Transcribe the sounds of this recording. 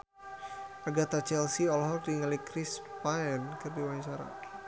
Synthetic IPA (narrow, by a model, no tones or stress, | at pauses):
aɡat̪at͡ʃɛlsiɔlɦɔrdiŋalikɾispaɛnkɨrdiwaɲt͡ʃaɾa̰